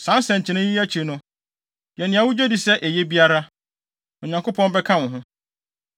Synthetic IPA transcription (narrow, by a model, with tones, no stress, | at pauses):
sã˨˦n˦sɛ̃˨ɲ̩˨t͡ɕʰɪ˨˦nɪ̃˦ji˦æ˦t͡ɕʰi˨nʊ̃˦ | jɛ˨nɪ̃˨a˨wʊ˦d͡ʑᶣe˦di˨sɛ˦ʔe˨je˦bi˦a˦ɾa˦ | ɔ˨ɲã˨ŋkʰʊ˦pʰɔ̃˦nbɛ˦kʰã˦nʊ̃˨ɦʊ̃˦